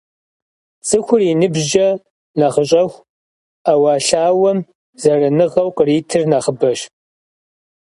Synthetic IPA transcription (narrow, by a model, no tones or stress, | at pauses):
t͡sʼɨxʷʊrinɨbʒɐ | naχəɕʼɐxʷ | awaːɬaːwɐm | zɐrɐnɨʁɐwqəriːtʰɨrnaːχəbɐɕ